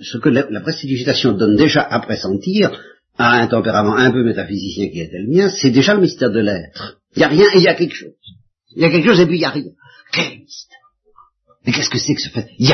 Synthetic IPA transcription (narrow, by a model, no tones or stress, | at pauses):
səkələlapʁɛst̪it̪ysit̪asjɔ̃d̪ɔnd̪eʒaʔapχesɑ̃t̪iːʁ | aɛ̃t̪ɑ̃peʁamɑ̃ɛ̃pømet̪afizisjɛ̃kʲiɛt̪ɛləmjɛ̃sɛd̪eʒaləmist̪ɛʁd̪əlɛt̪χ | iljaʁjɛ̃eljakʲɛlkə̥ʃoːz̥ | iljakʲɛlkəʃozepijaʁjɛ̃ | kɛlɛləmist̪ɛ | ʁ | mekɛskəsɛkə̥sə̥fɛt̪̚ja